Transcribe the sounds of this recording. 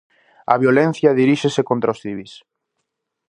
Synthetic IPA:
ɐ̰βjolɛn̟θjɐðiɾiʃesekont̪ɾaosθiβis

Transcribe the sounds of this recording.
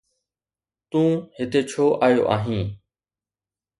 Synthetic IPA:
t̪ũːhɪt̪et͡ɕʰoːʔaːjo̰ʔa̰ːɦĩː

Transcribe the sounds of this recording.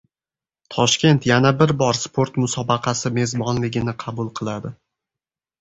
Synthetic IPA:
t̪ʰɒʃkʲe̞nt̪janabɪɾbɒɾspʰo̞ɾt̪mʊsɒbɑqʰɑsɪme̞zbɒnlɪɡʲɪnɪqʰɑbʊlˠqʰɨlˠad̪ɪ

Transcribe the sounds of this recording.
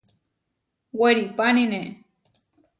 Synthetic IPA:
weɾipanine

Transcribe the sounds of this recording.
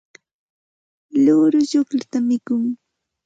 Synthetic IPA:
lʊɾʊʎʊklʊt̪amɪkʊŋ

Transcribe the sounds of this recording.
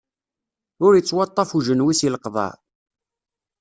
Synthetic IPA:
ʊɾjət͡sːwɑt̪ˤːɑfuʒənwisiləqðˤɑ̰

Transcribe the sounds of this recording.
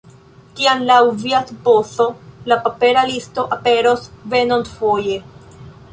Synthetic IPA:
kianlawviasboso̞lapape̞ɾalisto̞ʔape̞ɾo̞sve̞nontfo̞je̞

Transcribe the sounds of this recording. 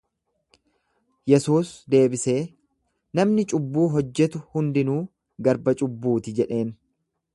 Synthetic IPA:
jɛsuːsd̪e̞ːbɪse̞ː | nɐmnɪt͡ʃʼʊbːuːɦɔd͡ʒːɛt̪ʊhʊnd̪ɪnuː | ɡɐɾbɐt͡ʃʼʊbːuːt̪ɪd͡ʒɛᶑe̞ːn

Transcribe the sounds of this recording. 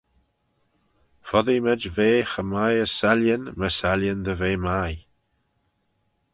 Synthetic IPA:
fɔðimɛd͡ʒveːxəmajəsɛljənməsaljənd̪əveːmaj

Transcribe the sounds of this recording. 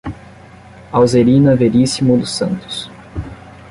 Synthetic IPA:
awzeɾinɐveɾisimud̪ʊsɐ̰̃nt̪ʊ̥s

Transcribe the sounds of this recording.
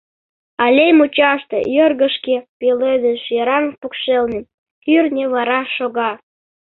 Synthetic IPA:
ɑlʲejmut͡ɕɑʃt̪ḛjørɣəʃkepelød̪ənʃjeɾɑŋpukʃelnem | kyrnʲeβɑɾɑʃoɣɑ

